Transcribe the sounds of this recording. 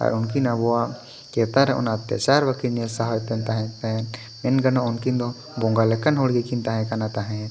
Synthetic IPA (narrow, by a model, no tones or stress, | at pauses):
a̰ɾunkinabɔwa | kɛt̪aɾɛɔ̰nat̪ja̰t͡ʃaɾbakiɾniəsaɦɔjt̪ɛnt̪aɦɛ̃t̪aɛn | mɛnɡənaunkind̪ɔ | bɔŋɡalɛkanɦoɽɡɛkint̪aɦɛ̃kanat̪aɦɛ̃